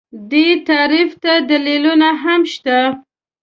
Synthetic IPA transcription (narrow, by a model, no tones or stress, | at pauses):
d̪et̪aɾift̪ad̪alilunaɦamʃt̪a